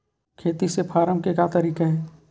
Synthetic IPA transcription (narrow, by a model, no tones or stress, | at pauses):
kʰeːt̪isepʰaːɾəmkekat̪əɾiːkaɦɛː